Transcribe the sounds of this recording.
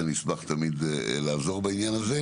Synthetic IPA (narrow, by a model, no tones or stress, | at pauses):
anisbaχt̪amid̪laːzo̞ʁbainjanaze